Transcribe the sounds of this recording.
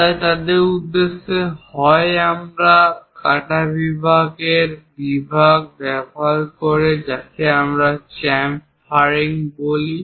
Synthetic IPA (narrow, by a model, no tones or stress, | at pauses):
t̪at̪ad̪eɾud̪ːeʃːehɔeamɾakaʈabibʱaɡeɾbibʱaɡ̚bɛbʱaɾkoɾed͡ʑakʰeamɾat͡ɕɛmp | faɾiŋboli